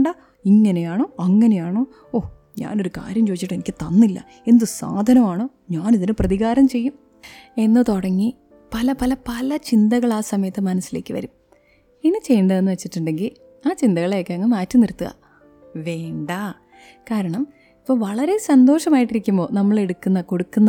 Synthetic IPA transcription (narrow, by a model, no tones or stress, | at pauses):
ɖa | iŋːɐne̞jaːɳo̞ːɐŋːɐne̞jaːɳo̞ː | oː | ɲa̰ːno̞ɾuka̰ːɾjɐmt͡ɕo̞ːit͡ɕːiʈːe̞nikʲːɨt̪ɐnːilːɐ̰ | e̞nd̪ɨsa̰ːd̪ʱɐnɐmaːɳoː | ɲaːniðinɨprɐðiɣaːɾɐmt͡ɕe̞jːum | e̞nːɨt̪oɽɐŋːi | pɐlɐpɐlɐpɐlɐt͡ɕind̪ɐɣɐɭaːsɐmɐjɐt̪ːɨmɐnɐsːile̞ːkːɨʋɐ̰ɾum | enit͡ɕe̞jːɳɖɐðe̞nːɨʋet͡ɕːiʈːuɳɖe̞ŋɡil | aːt͡ɕind̪ɐɣɐɭeokːɐŋːɐmaːtːumniɾut̪ːuɣɐ̰ | ʋe̞ːɳɖa | kaːɾɐɳɐm | ipːoːʋɐɭɐɾe̞sɐnd̪o̞ːʂɐmaːjiʈːiɾikʲːumbo̞ːnɐmːɐɭe̞ɽukːunːɐko̞ɽukːunːɐ